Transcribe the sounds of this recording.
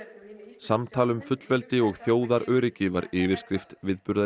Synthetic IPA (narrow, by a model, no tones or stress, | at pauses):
samt̪ʰaːlʏmfʏt̪lvɛlt̪ɪɔɣθjoːwðaɾœːɾɪcɪva̰ɾɪːvɪɾ̥skɾɪft̪vɪðpʏɾða